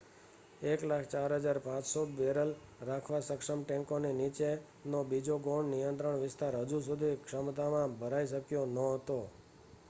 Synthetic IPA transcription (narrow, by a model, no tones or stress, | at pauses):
eklakʰt͡ʃaɾɦəd͡ʒaɾpãt͡ʃsobeɾəlɾakʰʋasəkʂəmʈɛ̃ŋkoninit͡ʃe | nobid͡ʒoɡoɳɖnijənt̪ɾəɳʋɪst̪aɾɦəd͡ʒusud̪ʱikʂəmt̪amãbʱəɾaiʃ̬əkjonəɦət̪o